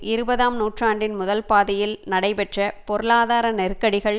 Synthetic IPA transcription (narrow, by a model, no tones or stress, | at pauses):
ɪɾɯbɐðaːmnuːʈraːɳɖɪnmʊðɐlpaːðɪjɪlnɐɽɐɪpɛʈrɐpɔɾɯlaːðaːɾɐnɛrkːɐɽɪɣɐɭ